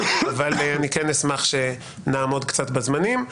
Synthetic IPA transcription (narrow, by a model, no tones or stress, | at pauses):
avalanikenismaχʃe̞ | naːmo̞dkt͡sat̪bazmanim